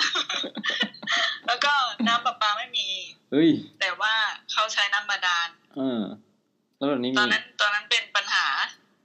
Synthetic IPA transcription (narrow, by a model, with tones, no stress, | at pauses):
lɛː˦˥wkɔː˥˩naː˥˩˨mbaː˨˩k̚maː˧ma˥˩jmiː˧ʔɯ˧˥˩jt̪ɛː˨˩waː˥˩kʰa˦˥˩wt͡ɕʰa˦˥jnaː˥˩˨mːaː˧daː˧n | ʔɤː˧˩ | t̪ʰa˧˥˩ba˨˩niː˦˥ɔː˧nːa˦˥nt̪ɔː˧nːa˦˥npe˧npa˧nhaː˩˦